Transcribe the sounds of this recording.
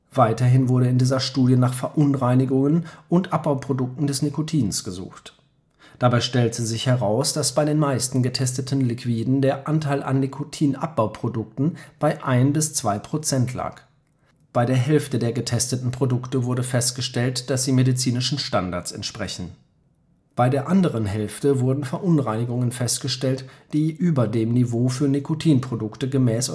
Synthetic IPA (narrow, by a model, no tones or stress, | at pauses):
v̥aɪtɐɦɪnvʊɐɾəɪndiːzɐʃtuːdjənaːχfɛɐʔʊnʁaɪnɪɡʊŋənʔʊntʔap̚b̥aʊpʁ̥odʊk̚tn̩dɛsnikotʰiːnsɡ̥əzṵːxt | d̥abaɪʃtɛltzizɪçhɛʁaʊsd̥asb̥aɪɾeːnmaɪstn̩ɡətʰɛstətʰn̩likʰv̥iːdn̩deːɐʔantʰaɪlʔa̰nːikʰotʰiːnʔa̰p̚b̥aʊpʁ̥odʊk̚tn̩b̥aɪʔaɪnbɪst͡sv̥aɪpʁ̥ot͡sɛntʰla̰ːk | b̥aɪdeːɐɦɛlftədeːɐɡətʰɛstətn̩pʁ̥odʊktəvʊɐdəfɛstɡ̥əʃtɛltd̥asz̥iːmedit͡siːnɪʃn̩ʃtandaɐt͡sɛ̰ntʃpʁ̥ɛçn̩ | b̥aɪdeːɐʔandəʁənɦɛlftəvʊɐdn̩fɛɐʔʊnʁaɪnɪɡʊŋənfɛstɡ̥əʃtɛltd̥iːʔyːbɐdeːmnivoːfyːɐnikʰotʰiːnpʁ̥odʊktəɡəmɛːs